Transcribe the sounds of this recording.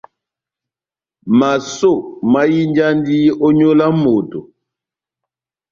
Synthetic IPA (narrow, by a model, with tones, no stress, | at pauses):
ma˨so˦˨ma˦ji˦nd͡ʒa˦ndi˦ɔ˦ɲo˦la˦mo˨to˨